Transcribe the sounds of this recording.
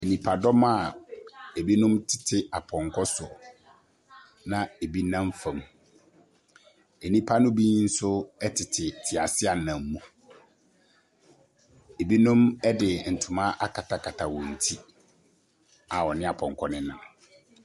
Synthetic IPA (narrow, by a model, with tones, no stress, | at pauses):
e˨nĩ˨pʰa˨dɔ˦ma˦˨ | e˨bi˦nʊ̃˦mtʰɪ̥˨tʰɪ˦a˨pʰɔ̃˨ŋkʰɔ˦sʊ˨ | nã˨e˨bi˦nã˦m˦fã˨m | e˨nĩ˦pʰa˦nʊ̃˦bi˦ɲĩ˦n̩˦sʊ˦ɛ˦tʰɪ˨tʰɪ˨tʰɪ˨a˨sɪ˦a˨nã˨m˦mũ˨ | e˨bi˦nʊ̃˦mɛ˦dɪ˨n̩˨tʰʊ̃˨mã˦ʔa˦kʰa˨tʰa˨kʰa˨tʰa˨wɔ̃˨n̩˨tʰi˦ | a˨wɔ˨nɪ̃˦a˨pʰɔ̃˨ŋkʰɔ˦nɪ̃˦nã˨